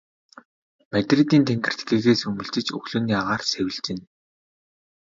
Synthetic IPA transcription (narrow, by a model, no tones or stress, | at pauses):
mæt̪ʲret̪iːnt̪ʰæŋɡɪ̆r̥t̪ɡiːɣeːsɵmɵ̆ɮt͡ɕɪ̆t͡ɕɵ̰xɮɵ̆niaʁaːrsæwʲɘ̆ɮt͡ɕɪ̆n